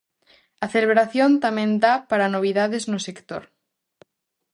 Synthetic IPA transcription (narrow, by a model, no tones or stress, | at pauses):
aθeleβɾaθjont̪amẽnd̪apaɾanoβ̞iðaðeznosekt̪o̰ɾ